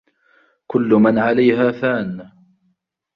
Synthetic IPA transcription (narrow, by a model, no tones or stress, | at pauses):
kʊlːʊmanʕalajɦaːfaːn